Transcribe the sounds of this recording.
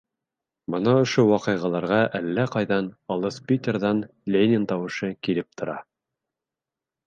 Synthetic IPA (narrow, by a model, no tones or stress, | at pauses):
bɤ̆nɑŏʃowɑqɤ̆jʁɑlˠɑɾʁɑʔælːæqɑjðɑnɑlˠɤspʲit̪ʲerðɑn | lʲenʲɪnt̪ɑwɤ̆ʃɤkilɘp̚t̪ʰŏɾɑ